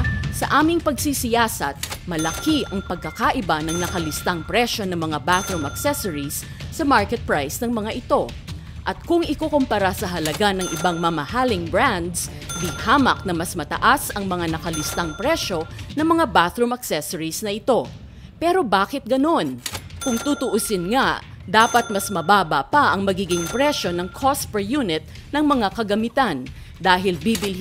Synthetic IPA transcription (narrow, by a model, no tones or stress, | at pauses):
sɐʔaːmɪŋpɐɡsisɪjaːsɐt̪̚mɐlɐkiʔɐŋpɐɡ̚kɐkaʔɪbanɐŋnɐkɐlɪst̪aŋpɾɛʃo̞nɐŋmɐŋabaθɾumɐksɛsoɹisː | ɐmaɹkɛt̪̚pɹajsnɐŋmɐŋaʔɪt̪o̞ | ʔɐt̪̚kʊŋɪkokompɐɾasɐɦɐlɐɡanɐŋʔɪbaŋmɐmɐhaːlɪŋbɹand̪s | b̪ɪhaːmɐk̚nɐmɐsmɐt̪ɐ̰ʔasɐŋmɐŋanɐkɐlɪst̪ɐŋpɾɛʃo̞nɐŋmɐŋabaθɾʊmɐksɛsɐɹisnɐʔɪt̪o̞ | pɛːɾo̞baːkɪt̪̚ɡɐno̞nkʊŋt̪ut̪ʊʔʊsɪnŋaʔ | d̪aːpɐt̪̚mɐsmɐbaːbɐpɐʔɐŋmɐɡiːɡɪŋpɾɛʃo̞nɐŋkʰospɛjunɪt̪̚ | nɐŋmɐŋakɐɡɐmɪt̪an | d̪aːɦɪlbiːbɪl